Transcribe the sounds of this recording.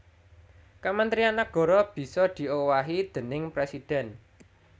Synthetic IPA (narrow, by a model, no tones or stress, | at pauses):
kamənt̪ɾianak̚ɡ̥ɔ̤ɾɔb̥i̤sɔd̪̥i̤ʔowaɦid̪̥ə̤nɪŋpɾɛsid̥ɛ̤n